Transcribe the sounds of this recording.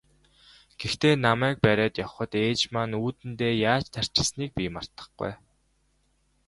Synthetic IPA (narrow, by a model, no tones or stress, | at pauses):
ɡ̥ext̪eːnamæːk̚pæɾʲæːt̪jɔwχə̆t̪eːt͡ɕmaːnuːt̪ɘ̆nt̪eːjaːt͡ɕt̪ʰær̥t͡ɕɪ̆sniːk̚piːmar̥t̪ə̥̆χɡṵj